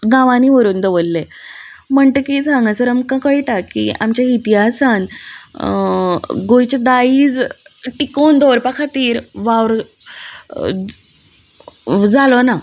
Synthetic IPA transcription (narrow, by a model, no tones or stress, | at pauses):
ɡãʋãniːʋəɾuːnd̪əʋəlːe | m̤əɳt̪ekisãŋɡãsəɾamkãkəjiʈakḭa̰mt͡ɕjait̪iɦasan | ɡojt͡ɕed̪aiːd͡zʈikond̪oɾpakʰat̪iːɾʋaʋɾ | d͡zalɔna